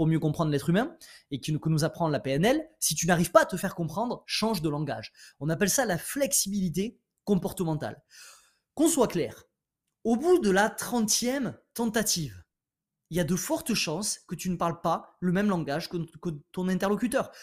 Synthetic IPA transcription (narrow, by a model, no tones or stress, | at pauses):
puʁmjøkɔ̃pχɑ̃d̪ʁlɛt̪χymɛ̃ekəkənuzapχɑ̃lapeɛnɛlsit̪ynaʁiv̥paːt̪əfɛʁkɔ̃pχɑ̃d̪ʁʃɑ̃ʒd̪əlɑ̃ɡa̰ʒɔ̃napɛlsalaflɛksibilit̪e | kɔ̃pɔʁt̪əmɑ̃t̪a̰l | kɔ̃swaklɛ̰ːʁ | obud̪əlat̪χɑ̃t̪jɛmt̪ɑ̃t̪at̪iv | iljad̪əfɔʁt̪əʃɑ̃skət̪ynəpaʁlpaləmɛmlɑ̃ɡaʒkəkət̪ɔ̃nɛ̃t̪ɛʁlɔkʲyt̪œʁ